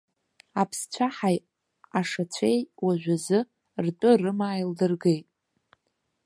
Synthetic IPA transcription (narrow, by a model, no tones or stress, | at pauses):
apʰst͡ɕʷʰaħaj | aʂat͡ɕʷʰejwaʒᶣʷazɨ | rtʼɨrɨmaːjldɨrɡejtʼ